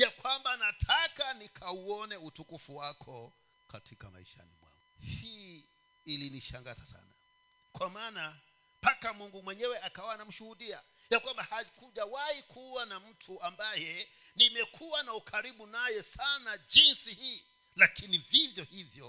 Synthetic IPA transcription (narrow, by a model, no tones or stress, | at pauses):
jakwambanatʰakanikʰauɔnɛutukufuwakʰɔ | katʰika̰ma̰iʃa̰nḭmwa̰ŋɡuhiː | liniʃaŋɡazasa̰na̰ | kwamaːna | pakamuŋɡumwɛɲɛwɛakawanam̩ʃuhuɗia | jakwambahakuʄawahikʰuwanam̩tʰuambajɛ | nimɛkʰuwanaukʰaɾiɓunajɛsanaʄinsihiː | lakinivivjɔhivjɔ